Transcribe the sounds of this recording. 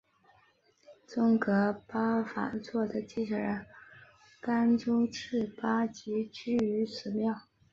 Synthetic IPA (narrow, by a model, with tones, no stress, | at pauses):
t͡sʊ˥ŋkɤ˧˥pa˥fa̰˨˧˥nt͡swɔ˥˩d̪ə˩t͡ɕi˥˩ʈ͡ʂə˥˩ɻə˧˥n | ka˥nʈ͡ʂo˥ʊʈ͡ʂʰɻ̩˥˩pa˥t͡ɕi˧˥t͡ɕy˥˩y˧˥sʰɹ̩˨˩˥mjɑ˥˩ʊ